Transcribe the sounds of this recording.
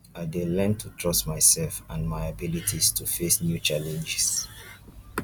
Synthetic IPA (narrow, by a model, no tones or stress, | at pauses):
aɪdelɛ̃ntʰutʰɹɔstmaɪsɛlfãnmaɪabilitʰistʰufesnjut͡ʃalɛ̃nd͡ʒɪs